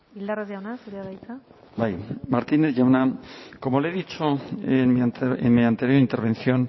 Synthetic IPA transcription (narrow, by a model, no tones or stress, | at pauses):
ild̪arezʝawnasuɾeaðajt͡sa | bajmaɾt̪ine̞zʝawnako̞mo̞leðit͡ʃoenmiaenmiant̪e̞ɾjoint̪e̞ɾβ̞e̞nθjo̞n